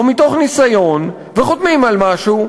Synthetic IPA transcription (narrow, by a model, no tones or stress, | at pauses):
omit̪o̞χnisajo̞n | veχot̪mimalmaʃu